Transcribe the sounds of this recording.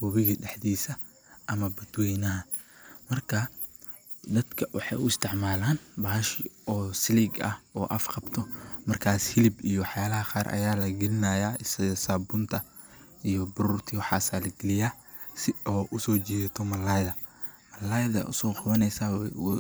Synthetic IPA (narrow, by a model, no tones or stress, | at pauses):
wɐβɪɣɐɗɛħðiːsɐ | ʔɐmɐbɐd̪wɛjnɐɦɐ | mɐrkʰɐ | d̪ɐd̪kʰɐwɑħɑ̰jʊɪst̪ʰɪʕmaːlaːnbaːɦɐʃɪɔːsɪliːɡɐ̰hɔːʔɐfqɑbt̪ʰɔmɐrkʰaːshɪlɪbijɔwɑħjaːlɐhɐqɑːrʔɐ̰jaːlɐɡɛlɪnaːjaːɪsɐsabʊnt̪ʰɐ | ijɔbʊɾuːrt̪ʰiwɑħɑ̰ːsaːlɐɡɛlɪjaː | sɪɔːʔʊsɔːt͡ʃiːðɐt̪ʰɔmɐlajðɐ | mɐlaːjðɐ̰ʔʊ̰sɔːqʊβɐnɛjsa